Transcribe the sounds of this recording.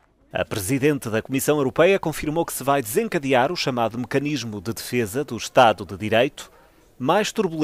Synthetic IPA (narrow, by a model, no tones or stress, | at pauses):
ɐ̰pɾɨziðẽnt̪ðɐkumisɐ̃w̃ewɾupɛjɐkõfiɾmokɨ̥sɨvajd̪ɨzẽŋkɐðiaɾuʃɐmaðumɨkɐniʒmuðɨðɨfezɐðuʃt̪aðuðɨðiɾejt̪u̥ | majʃt̪uɾβulˠ